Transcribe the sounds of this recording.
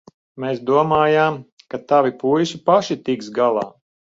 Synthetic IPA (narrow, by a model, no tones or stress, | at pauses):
meːsd̪uɔmaːjaːm | kat̪avipujsipaʃit̪iksɡalˠɑ̰ː